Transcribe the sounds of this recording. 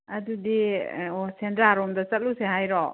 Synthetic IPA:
ɐdudiosendɾaɾɔmdɐt͡ʃɐt̚luseɦajɾɔ

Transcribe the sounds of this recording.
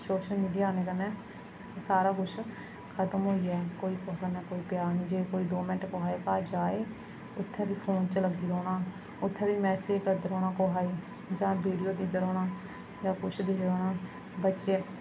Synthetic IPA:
soːʃəlmiːɖijaːneːkənɛ̃ː | saːɾaːɡʊʃʰ | kʰət̪əmɦoːiːɛːkoːiːkɔːɾənɛːkoːiːpjaːɾnĩːd͡ʒeːkoːiːd̪oːməʈkoɦaːiːkaːd͡ʒaːeː | ʊt̪ʰːɛ̃ːbiːpʰoːnt͡ʃələɡiːɾoːɽaː | ʊt̪ʰːɛ̃ːbiːmɛːseːd͡ʒkəɾd̪eɾoːɽ̃aːkoːɦaːiː | d͡ʒãːbiːɖijoːd̪iːd̪əɾoːɽaː | d͡ʒãːkʊʃʰd̪eːɾoːɽaː | bətːʃeː

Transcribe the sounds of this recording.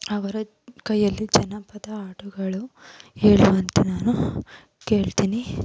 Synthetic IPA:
ɐʋɐɾu | kɐjːɐlːid͡ʒɐnɐpɐd̪ɐaːʈuɡɐɭueːɭuɐnt̪enaːnu | ke̞ːɭt̪iːni

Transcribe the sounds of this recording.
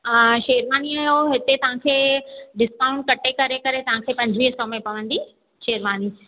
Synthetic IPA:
ʃeːɾʋaːniaːjoɦɪt̪et̪ɐʋ̤ãkʰeːɖɪskaːʊ̃ɳʈ̚kɐʈekɐɾekɐɾet̪ɐʋ̤ãkʰeːpɐ̃ɲd͡ʑʱʋiːɦsɔmẽpɐʋə̃nd̪i | ʃeːɾʋaːni

